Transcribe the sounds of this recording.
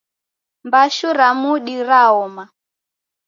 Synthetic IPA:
mbaʃuɾamuɗiɾaɔma

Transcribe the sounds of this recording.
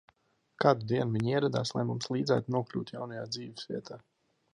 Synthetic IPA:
kad̪ud̪iɛnuviɲiɛɾɛd̪a̰ːslˠa̰jmumslˠiːd̪zæ̰ːt̪unuɔklʲṵːt̪jawnajaːd̪ziːvɛsvḭɛt̪ʰaː

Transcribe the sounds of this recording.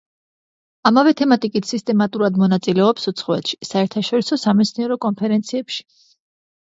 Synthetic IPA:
amavɛt̪ʰɛmat̪ʼikʼit̪ʰsist̪ʼɛmat̪ʼuɾad̪mɔnat̪sʼilɛɔpsut̪sʰχɔɛt̪ʃi̥saɛɾt̪ʰaʃɔɾisɔsamɛt̪sʰniɛɾɔkʼɔnpʰɛɾɛnt̪sʰiɛpʃi̥

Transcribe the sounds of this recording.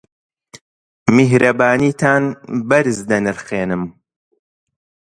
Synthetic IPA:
miɦɾɐbaːniːt̪ʰaːnbɐɾɨzd̪ɐnɨɾxeːnɨm

